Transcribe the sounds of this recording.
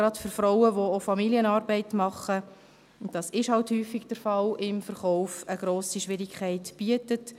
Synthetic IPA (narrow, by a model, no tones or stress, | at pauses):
ɾɑtfʏɾfɾɔʊəʋoofɑmiliənɑːɾbɛɪtmɑχə | d̥ɑsɪʃhɑlthyːfiɡd̥əɾfɑlɪmfəɾχɔʊfəɡ̥ɾoːsiʃʋɪɾikχæɪtb̥iətət